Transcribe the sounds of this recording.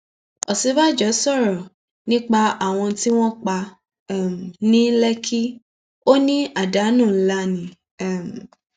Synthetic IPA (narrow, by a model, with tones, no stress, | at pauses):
ɔ˨si˨˦ba˦˨d͡ʒɔ˨˦sɔ˦˨ɾɔ˨ | nĩ˦k͡pa˧a˨w̃ɔ̃˧ti˦w̃ɔ̃˦k͡pa˧˦˨ | m˨nĩ˦lɛ˦kʰi˦ | o˦nĩ˦a˨da˨˦nũ˦˨˦la˦nĩ˨˦˨ | m˨